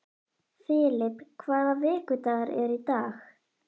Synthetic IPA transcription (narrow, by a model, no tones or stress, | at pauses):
fɪːlɪpkʰvaːðavɪːkʏt̪aɣaɾɛɾit̪aːx